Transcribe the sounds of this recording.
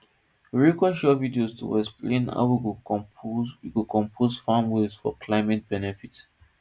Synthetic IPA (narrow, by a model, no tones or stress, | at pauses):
ɹikɔʃjɔvidiostʰṵɛksplẽna̰ʊwiwɔ̃wikukʰɔ̃mpʰozfamwesfɔ̰kʰlaɪmɛt̚b̥ɛnɛfit